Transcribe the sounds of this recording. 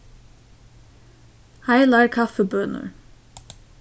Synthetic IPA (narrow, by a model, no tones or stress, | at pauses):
hajlaɹkʰafəbœnə̰ɹ